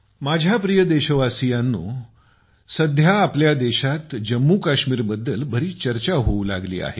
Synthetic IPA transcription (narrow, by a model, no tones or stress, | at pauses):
mad͡ʑʱjapɾijəd̪eɕəʋasijanːṵː | səd̪ʱjaːpljad̪eɕat̪d͡ʑəmːuːkaɕmiːɾbəd̪ːəlbʱəɾiːt͡ɕəɾt͡ɕaɦoulaɡlḭːa̰ɦe